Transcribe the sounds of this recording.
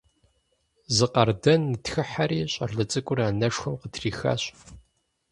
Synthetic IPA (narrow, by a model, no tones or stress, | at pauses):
zɨqɐrdɐnːɨtxɨħaɾiːɕʼɐrɮɨt͡sʼɨkʷʼʊraːnɐʂxɐmqətʰriːxa̰ɕʼ